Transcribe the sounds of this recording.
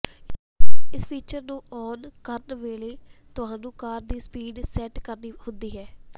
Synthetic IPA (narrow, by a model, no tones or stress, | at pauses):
ɪspʰiːt͡ʃəɾnũːɔːnkəɾnʋeːleːt̪ʊɦãːnũːkaːɾd̪iːspiːɖsɛʈkəɾniːhʊnd̪iːɦɛː